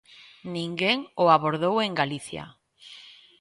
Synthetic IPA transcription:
nĩŋɡeŋoaβoɾðoweŋɡaliθja̰

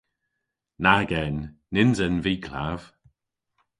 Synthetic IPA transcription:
naɡɛnː | ɪnzɛnviːkʰla̰v̥

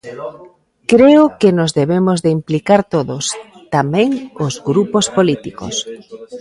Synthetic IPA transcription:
kɾeokenozðeβemozðeimplikaɾt̪oðos | t̪amɛ̃ŋozɣɾupospolit̪iko̰s

